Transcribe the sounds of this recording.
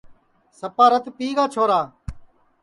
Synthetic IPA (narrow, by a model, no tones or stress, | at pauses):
səpaːɾət̪piːɡaːt͡ʃʰoːɾaː